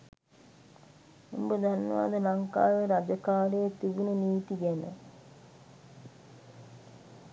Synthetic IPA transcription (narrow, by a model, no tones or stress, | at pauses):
umbəd̪anːʋa̰d̪əlɐŋka̰ːʋeɾad͡ʒəkaːlejet̪iɡununiːt̪iɡɛnə̰